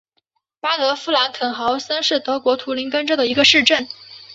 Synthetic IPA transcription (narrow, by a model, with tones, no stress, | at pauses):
pa˥t̪ɤ˧˥fu˥la˧˥nkʰə˨˩nxɑ˧˥ʊsə˥nʂɻ̩˥˩t̪ɤ˧˥kwɔ˧˥t̪ʰu˧˥li˧˥nkə˥nʈ͡ʂɤ˥d̪ə˨˩i˧˥ɡə˧ʂɻ̩˥˧ʈ͡ʂə˥˩n